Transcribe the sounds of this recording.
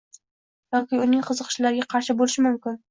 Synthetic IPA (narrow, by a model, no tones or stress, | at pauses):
jɒkʲɪʊnɪŋqʰɨzɨqʰɨ̥ʃlaɾɪɡʲaqʰɑɾʃɪbolɪʃɪmʊmkʲɪn